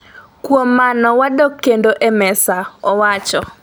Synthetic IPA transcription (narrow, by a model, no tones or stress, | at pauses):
kwomːanɔwadokːendoʔemɛsaɔwat͡ʃɔ